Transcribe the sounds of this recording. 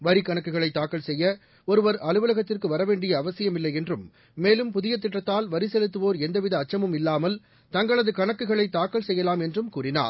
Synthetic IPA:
ʋɐɾɪkɐɳɐkːɯɣɐɭɐɪt̪ːaːkːɐɭsɛjːɐ | ɔɾɯʋɐɾɐlɯʋɐlɐɣɐt̪ːɪrkɯʋɐɾɐʋeːɳɖɪjɐːʋɐsɪjɐmɪlːɐjɛndrɯmː | eːlɯmpʊðɪjɐt̪ːɪʈːɐt̪ːaːlʋɐɾɪsɛlɯt̪ːɯʋoːɾɛnd̪ɐʋɪðɐːt͡ʃːɐmɯmɪlːaːmɐl | t̪ɐŋɡɐɭɐðɯkɐɳɐkːɯɣɐɭɐɪt̪ːaːkːɐɭsɛjːɐlaːmɛndrɯmkuːrɪna̰ːɾ

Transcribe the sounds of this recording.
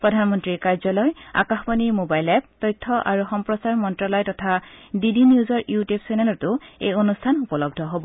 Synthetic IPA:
pɹɔdʱanmɔntɹiɹkaɹzɔlɔja̰kaxbɔniɹmobajlɛp̚tɔjtʰːɔʔa̰ɹuxɔmpɹɔsaɹmɔntɹalɔjtɔtʰadidiniuzɔɹjutjubsɛnɛlɔtʊḛjonustʰanupɔlɔb̚dʱɔɦobɔ

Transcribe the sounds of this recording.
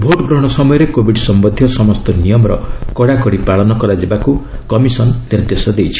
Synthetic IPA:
bʱoʈɡɾɔɽ̃ɔsɔmɔjɔɾekobʱiɖsɔmbɔd̪ʱjɔsɔmɔst̪ɔnijɔmɔɾɔ̰kɔɽakɔɽipaɭɔnɔkɔɾad͡ʒebakukɔmisɔnːiɾd̪esɔd̪ejt͡ʃʰi̥

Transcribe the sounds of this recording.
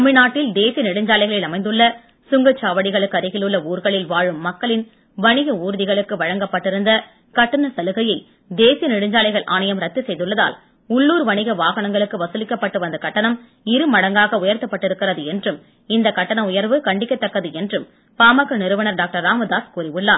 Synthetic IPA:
ɐmɪnaːʈːɪld̪eːsɪjɐnɪɽɯɲd͡ʒaːlɐɪɣɐɭɪlɐmɐɪd̪ɯɭːɐ | sʊŋɡɐt͡ʃːaːʋɐɽɪɣɐɭɯkːɐɾɪɣɪlɯɭːɐuːɾɣɐɭɪlʋaːɻɯmːɐkːɐɭɪn | ʋɐɳɪɣɐuːɾɯðɪɣɐɭɯkːɯʋɐɻɐŋɡɐpːɐʈːɪɾɯnd̪ɐ | kɐʈːɐnɐsɐlɯɣɐjɐɪ | d̪eːsɪjɐnɪɽɯɲd͡ʒaːlɐɪɣɐɭʔaːnɐjɐmɾɐt̪ːɯsɛjðɯɭːɐða̰ːl | ʊɭːuːɾʋɐɳɪɣɐʋaːɣɐɳɐŋɡɐɭɯkːɯʋɐsɯlɪkːɐpːɐʈːɯʋɐnd̪ɐkɐʈːɐnɐm | ɪɾɯmɐɽɐŋɡaːɣɐʊjɐɾt̪ːɐpːɐʈːɪɾɯkːɪrɐðɯɛndrɯm | ɪnd̪ɐkːɐʈːɐnɐmʊjɐɾʋɯkɐɳɖɪkːɐt̪ːɐkːɐðɯɛndrɯm | paːmɐɣɐnɪɾɯʋɐnɐɾɖaːk̚ʈɐɾaːmɐd̪aːskuːrɪʋɯɭːaːn

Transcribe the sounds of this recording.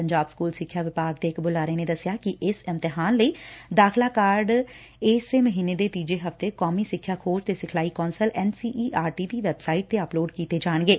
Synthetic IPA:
əɲd͡ʒaːbskuːlsɪkʰːjaːʋɪpaːkd̪eːɪkbʊlaːɾeːneːd̪əsɪjaːkɪʔɪsɪmt̪ɪɦaːnləiːd̪aːkʰlaːkaːɾɖ | ɪseməɦiːneːd̪eːt̪iːd͡ʒeːɦəft̪eːkɔːmiːsɪkʰːjaːkʰoːd͡ʒt̪eːsɪkʰlaːiːkɔːnsəlɛːnsiːʔiːʔaːɾʈiːd̪iːʋɛːbsaːɪʈ̚d̪eːəploːɖkiːt̪eːd͡ʒaːɳɡeː

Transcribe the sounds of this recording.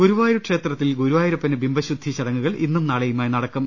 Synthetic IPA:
ɡuɾuʋaːjiɾukʂe̞ːt̪rɐt̪ːilɡuɾuʋaːjiɾɐpːɐnebimbɐɕud̪ʱːit͡ɕɐɽɐŋːuɣɐɭʔḭnːumnaːɭɐjumaːjnɐɽɐkːɐm

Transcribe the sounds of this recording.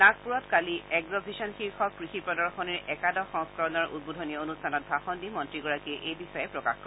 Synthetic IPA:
nak̚puɹɔtkaliɛɡɹɔbʱisɔnxiɹxɔkɹixipɹɔdɔɹxɔniɹɛkadɔxɔŋskɔɹɔnɔɹʔṵd̚bodʱɔnijɔonustʰanɔt̚bʱaxɔndimɔntɹiɡɔɹakiʔejbixɔjɛpɹɔka̰xkɔ

